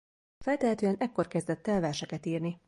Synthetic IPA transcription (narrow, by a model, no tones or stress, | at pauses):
fɛlt̪ɛɦɛt̪øːɛnɛkːo̞rkɛzd̪ɛt̪ːɛlvɛːrʃɛkɛt̪iːrni